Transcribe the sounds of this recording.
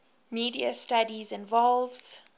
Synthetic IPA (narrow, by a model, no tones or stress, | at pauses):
miːdiəstadizɪ̃nvɔlvz̥